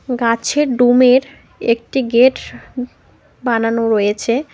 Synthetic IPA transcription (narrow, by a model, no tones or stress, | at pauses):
ɡat͡ɕʰeɾɖumeɾ | ek̚ʈiɡeʈ | bananoɾojet͡ɕʰe